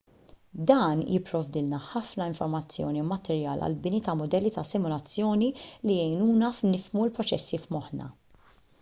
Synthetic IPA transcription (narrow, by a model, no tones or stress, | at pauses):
d̪ɐːnjɪpːɾɔvd̪ɪlnɐħɐfnɐɪɱfɔɾmɐt͡sːjɔ̰ːnimɐt̪ɛɾjɐ̰ːlɐ̰lbɪnit̪ɐmʊd̪ɛlːit̪ɐsɪmʊlɐt͡sːjɔːnilijɛjnuːnɐfnɪfmuɪlpɾɔt͡ʃɛsːifmɔħnɐ̰